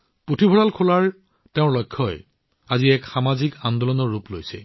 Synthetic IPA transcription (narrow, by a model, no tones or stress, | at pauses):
potʰibʱɔɹalkʰolaɹ | teʊ̃ɹlɔjkʰːɔj | aziɛkxamazikand̪ɔlɔnɔɹuplojsɛ̰